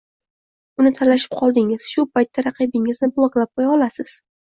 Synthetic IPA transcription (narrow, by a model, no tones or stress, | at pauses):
ʊnɪt̪ʰalaʃɪ̥p̚qʰɒlˠd̪ɪŋɪz̥ʃʊpʰajt̪ːaɾɑqʰɨbɪŋɪznɪblˠɒklˠap̚qʰojɒlasɪz̥